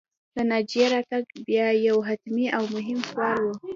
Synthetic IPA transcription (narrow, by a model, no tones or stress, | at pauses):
d̪̥ənad͡ʒijeɾɑt̪aɡbjɑjawɦat̪miʔawmʊɦɪmxwɑɾwu